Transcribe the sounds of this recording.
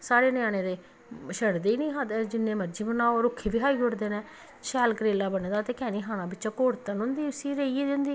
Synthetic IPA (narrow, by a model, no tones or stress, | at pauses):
saːɾeːnɪjaːɽ̃eːd̪eː | ʃəɽd̪eːiːnĩːɦaːd̪ɛːd͡ʒɪnːẽːməd͡ʒiːbənaːoːɾʊkʰːeːbɪɦaːiɦʊɾd̪eːnɛ̃ː | ʃɛːlkɾeːlaːbənːd̪aːt̪eːkɛːniːɦaːñãːbɪt͡ʃãːkoːɾt̪ənɦʊ̃nd̪iːʊsiːɾeieːd͡ʒʊ̃nd̪iː